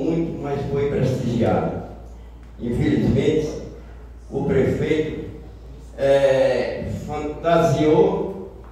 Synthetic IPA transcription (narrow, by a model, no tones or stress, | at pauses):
mũj̃t̪ʊmasfojpɾeʃt̪iʒia̰d̪ʊ̰ | ĩfelizmẽnt̪ɪ | ʊpɾefejt̪ʊ | ɛ | fɐ̃t̪azio